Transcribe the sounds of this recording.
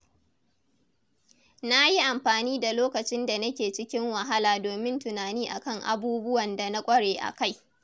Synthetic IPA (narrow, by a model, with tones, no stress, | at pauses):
na˦ji˦ʔa˨mɸaː˨niː˦da˨loː˦kɐ˨t͡ʃɪ˦nda˨nɐ˦kʲeː˨t͡ʃɪ˦kʲɪ˦ŋwɐ˨ɦa˦laː˨doː˨mɪ˦ntʊ˨naː˨niː˦ʔa̰˨kɐ˦ŋʔa̰˨buː˦bʊ˦wɐ˨nda˨na˦kʷʼɐ˦ɽeː˨ʔa̰˨ka˦˨j